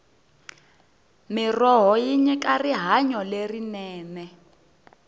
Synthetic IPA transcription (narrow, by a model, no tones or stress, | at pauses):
mirɔɦɔjiɲɛkʼariɦaɲɔlerinɛːnɛ